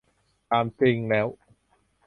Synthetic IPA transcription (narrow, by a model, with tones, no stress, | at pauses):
t̪aː˧˩msi˧ŋlɛː˨˦w